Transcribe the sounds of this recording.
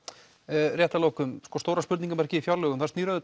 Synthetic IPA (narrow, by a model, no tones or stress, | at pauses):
rjɛːt̪aloːwkʏmskɔst̪oːwɾaspʏɾt̪niŋkʏmaɾɛcɪifjaɾlœɣʏmθast̪niːɾaðɪt̪